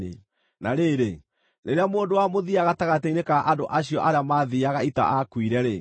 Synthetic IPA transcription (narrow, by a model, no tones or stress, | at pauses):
ḛ | naɾeːɾe | neɾeamoːndowamoðiaɣataɣateinekaʔandoʔaɕiɔʔaɾeamaðiaɣaita̰ʔakwiɾɛɾe